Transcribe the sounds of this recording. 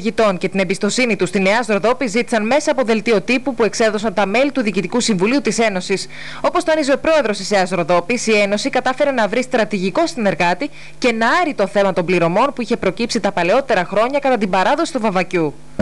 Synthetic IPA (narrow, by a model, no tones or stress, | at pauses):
ʝit̪o̞nce̞t̪ine̞mbist̪o̞sinit̪ust̪ine̞ɐst̪ɾo̞ðo̞pizit̪i̥sɐnme̞sɐːpo̞ðe̞lt̪io̞t̪ipupue̞kse̞ðo̞s̬ɐnt̪ɐme̞lit̪uðiːcit̪ikusiɱvuliut̪ise̞no̞sis | o̞po̞st̪oɐnizeopɾo̞e̞ðɾo̞st̪iseɐszɾo̞ðo̞pisie̞no̞sikɐt̪ɐfe̞ɾe̞nɐvɾist̪ɾɐt̪iʝiko̞st̪ine̞ɾɣɐt̪i | ce̞nɐɐɾit̪o̞θe̞mɐt̪o̞mbliɾo̞mo̞npuiçe̞pɾo̞cipsit̪ɐpɐle̞o̞t̪e̞ɾɐxɾo̞ɲɐkɐt̪ɐt̪imbɐɾɐðo̞si̥t̪uvɐvɐcu